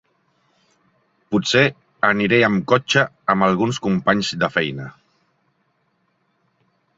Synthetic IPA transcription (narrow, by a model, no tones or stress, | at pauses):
putse | əniɾɛəmkɔt͡ʃəː | məlˠɣunskumpaɲzd̪əfɛjnə